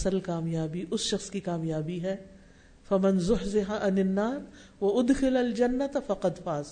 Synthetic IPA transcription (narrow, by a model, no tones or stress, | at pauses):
səlkaːmjaːbiʔʊsʃɐxskikaːmjaːbiɦɛː | fɐmɪnzʊɦzɪɦaʔɐnɪnːaːɾ | wɐʔʊd̪xɪlɐld͡ʒɐnːɐt̪fɐqɐd̪faːz